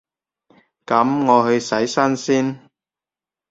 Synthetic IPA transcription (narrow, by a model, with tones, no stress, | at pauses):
kɐ˨˥mŋɔː˨˧hɵ˧ɥsɐ˨˥jsɐ˥nsiː˥n